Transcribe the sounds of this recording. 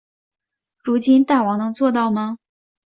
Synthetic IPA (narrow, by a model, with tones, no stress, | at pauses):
ɻu˧˥t͡ɕi˥nt̪a˥˩wɑ˧˥ŋnɤ˧˥ŋt͡swɔ˥˧t̪ɑ˥˩ʊmɐ˩